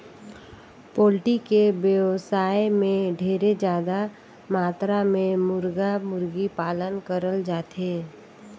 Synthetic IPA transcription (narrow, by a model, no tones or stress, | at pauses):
poːlʈikebjəʋsaːemẽɖʱeːɾed͡ʒjaːd̪a | maːt̪ɾamẽmʊɾɡamʊɾɡipaːlənkəɾəld͡ʒaːt̪eː